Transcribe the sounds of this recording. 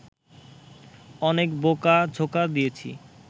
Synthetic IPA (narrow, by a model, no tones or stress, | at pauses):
ɔnekbokad͡ʑʱokad̪ijet͡ɕʰḭ